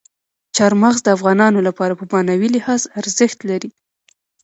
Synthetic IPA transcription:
t͡ʃɑɾmaɣzd̪əafɣɑnɑnolapɑɾapəbɑnawilɪhɑzaɾzəxt̪laɾi

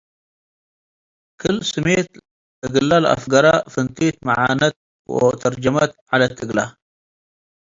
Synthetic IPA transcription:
kɨlːsɨmet̪ | əɡəlːalʔa̰fɡɐɾˤɑfənt̪eːt̪maʕa̰ːnat̪̚ | wə̰t̪ɐɾd͡ʒamat̪ʕalat̪ːəɡla

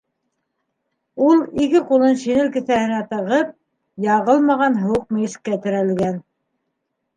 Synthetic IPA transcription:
ulˠikɘqulˠɤnʃinɘlkɘ̆θæhɘ̆næt̪ɤ̆ʁɤp̚ | jɑʁɤlˠmɑʁɑnɦɤ̆wɤq̚miɘ̆ʃkːæt̪ɘ̆ɾælɡæn

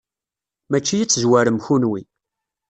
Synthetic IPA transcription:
mæt͡ʃːijit͡sːzwæɾəmçunwi

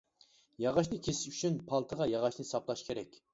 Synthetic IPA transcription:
jɑʁɑʃnɨkʲʰesɪ̥ʃyt͡ʃʰynpʰɑlˠt̪ʰəʁɑjɑʁɑʃnɨsɑplˠɑʃkʲʰeɾɛkʲ

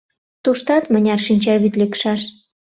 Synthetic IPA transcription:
t̪uʃt̪ɑt̪mə̆nʲɑrʃinʲt͡ɕɑβyt̪lekʃɑʃ

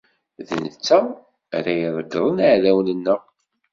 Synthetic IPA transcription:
ðə̰nət͡sːæ | ɾæjəɾˤəɡɾˤənəʕlæwnənːəʁ

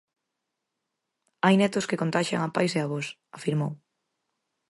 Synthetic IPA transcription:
ajnɛt̪ʊskekont̪aʃa̰ŋapajseaβɔs | afiɾmow

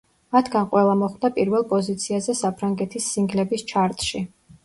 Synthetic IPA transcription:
mat̪ʰɡanqʼwɛlˠamɔχd̪apʼiɾvɛlˠpʼɔzit̪sʰiazɛsapʰɾaŋɡɛt̪ʰisːiŋɡlɛbist͡ʃʰaɾt̪ʼʃi

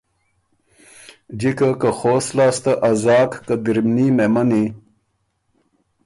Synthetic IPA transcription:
d͡ʑikakaxoːslɑːst̪aʔɐzɑːkːad̪iɾmnimemɐni

